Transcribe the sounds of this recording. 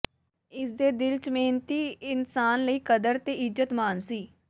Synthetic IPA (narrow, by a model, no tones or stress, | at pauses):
ɪsd̪eːd̪ɪlt͡ʃmeːnt̪iːɪnsaːnləiːkəd̪əɾt̪eːʔɪzət̪maːnsiː